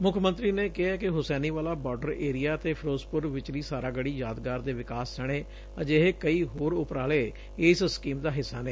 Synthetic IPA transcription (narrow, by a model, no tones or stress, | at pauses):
mʊkʰmə̃nt̪ɾiːneːkɪɦɛːkɪɦʊsɛːniːʋaːlaːbɔːɾɖəɾeːɾijaːt̪eːpʰɾoːzpʊɾʋɪt͡ʃliːsaːɾaːɡəɽiːjaːd̪ɡaːɾd̪eːʋɪkaːsd͡ʒəɽ̃eː | əd͡ʒeɦeːkəiːɦoːɾʊpɾaːleː | ɪːsskiːmd̪aːɦɪsːaːneː